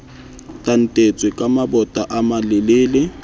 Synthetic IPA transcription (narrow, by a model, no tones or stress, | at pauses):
tʼan̩tʼet͡sʼwɪkʼamabɔtʼaʔamalɪleːlɪ